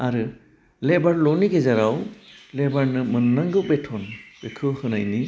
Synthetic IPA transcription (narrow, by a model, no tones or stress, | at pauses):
aɾɯ | lebaɾlɔniɡezaɾawlebaɾnɯmɯnːaŋɡɯwbetʰɔnb̥ekʰɯhɯnajni